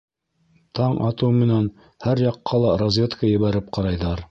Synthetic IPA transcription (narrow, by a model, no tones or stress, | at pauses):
t̪ʰɑɴɑt̪ɤwmɘ̆næn | hæɾjɑqːɑlˠɑɾozʲvʲet̪kəjɘ̆βæɾɘp̚qɑɾɑjðɑɾ